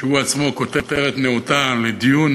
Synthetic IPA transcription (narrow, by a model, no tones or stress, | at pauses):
ʃeuat͡smo̞ko̞t̪et̪eʁet̪neot̪aled̪ijun